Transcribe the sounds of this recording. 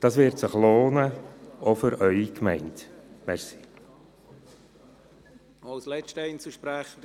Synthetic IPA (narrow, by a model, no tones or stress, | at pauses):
d̥ɑːsʋɪɾtsəχloːnəɔfʏɾʔœʏikmɛɪntmɛsi̥ | aʊslɛt͡ʃtəɛɪnt͡suʃpɾæχd